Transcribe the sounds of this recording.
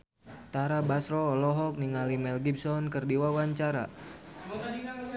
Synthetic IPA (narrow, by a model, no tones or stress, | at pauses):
t̪aɾabasɾɔːlɔɦɔk̚niŋalimɛlɡibsɔnkərdiwawaɲt͡ʃaɾa̰